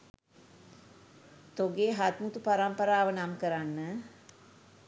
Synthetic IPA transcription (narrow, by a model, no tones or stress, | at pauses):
t̪oɡeɦat̪mut̪upaɾampəɾaːʋənamkəɾanːə